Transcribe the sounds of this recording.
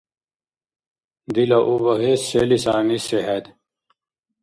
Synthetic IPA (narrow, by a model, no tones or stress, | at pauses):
d̪ilɐʔuβɐɦeselisaːniseɦed̪